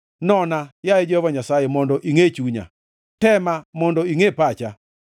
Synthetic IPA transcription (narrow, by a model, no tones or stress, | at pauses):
nɔnajaed͡ʒvaɲasajemɔndɔʔiŋet͡ʃuɲa̰ | tɛmamɔndɔiŋepat͡ʃa